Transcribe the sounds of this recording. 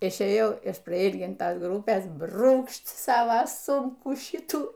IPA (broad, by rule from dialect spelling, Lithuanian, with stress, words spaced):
ɪʃʲeːˈjɛʊ ɪʃ prɐˈiːlʲɡʲɪntɐs ˈɡrʊpʲeːs ˈbruːkʃt ˈsɑːʋɐ ˈsuːmkuː ˈʃʲɪtuː